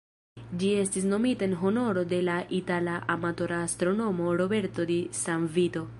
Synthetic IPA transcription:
d͡ʒiest̪isnomit̪enɦɔnɔɽɔd̪elaʔit̪alaʔamat̪ɔɾast̪ɾonomɔɽobeɾt̪ɔd̪isamvit̪o

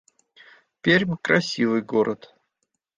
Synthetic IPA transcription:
pʲeɾʲmʲkrɐsʲivɨjɡoɾət̪

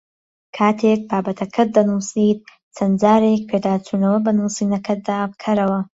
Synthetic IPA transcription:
kʰaːt̪ʰeːk̚baːbɐt̪ʰɐkʰɨt̪̚d̪ɐnusiːd̪̚ | t͡sʰɐnd͡ʒaːɾek̚pʰed̪aːt͡sʰunɐwɐbɐnuːsiːnɐkʰɐt̪̚d̪aːbkʰɐɾɐwɐ

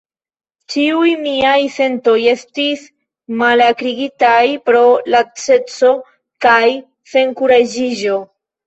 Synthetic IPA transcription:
t͡ʃiujmiajse̞nto̞je̞stis | malakɾiɡitajpɾo̞lat͡se̞t͡so̞ | kaj | se̞ŋkuɾad͡ʒiʒo̞

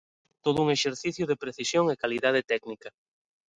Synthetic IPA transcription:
t̪oð̞ʊuŋeʃeɾθiθjʊðepɾeθisjoŋekaliðað̞et̪ɛknikɐ

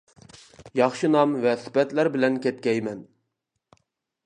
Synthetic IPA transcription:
jɑχʃɨnɑmvɛsɪ̥pɛt̪læɾbɪlɛnkʲʰɛt̪̚kʲɛjmɛn

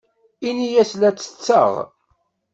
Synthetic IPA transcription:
inijæslæt͡sːə̥t͡sːə̰ʁ

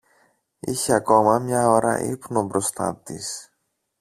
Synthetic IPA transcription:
içeɐko̞mɐmɲɐoɾɐ̰ʔḭpno̞bɾo̞st̪ɐ̰t̪is

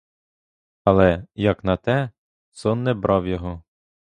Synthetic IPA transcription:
ɐlˠɛjɐknɐt̪ɛ | sɔnːɛbɾʔɑwjɔɦɔ

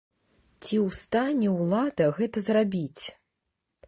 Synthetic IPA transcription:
t͡sʲiwst̪anʲɛwlˠad̪ɐɣɛt̪ɐzrabʲit͡sʲ

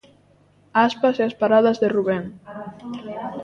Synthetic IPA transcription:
aspaseaspaɾaðazðeruβeŋ

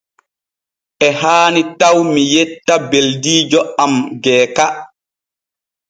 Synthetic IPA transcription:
ʔɛɦaːnitawmijɛtːabeldiːd͡ʒɔamɡɛːka

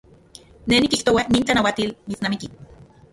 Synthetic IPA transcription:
nenikiht̪owaniːnt͡ɬanawat̪ilmit͡snamiki

